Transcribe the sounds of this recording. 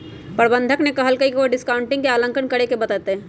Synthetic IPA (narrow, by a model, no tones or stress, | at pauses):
pəɾbə̃nd̪ʱəknekɐɦəlkəikeʋoɖɪskaʊɳʈɪ̃ŋɡkeaːlə̃ŋkənkɐɽekebɐt̪aːt̪eɦː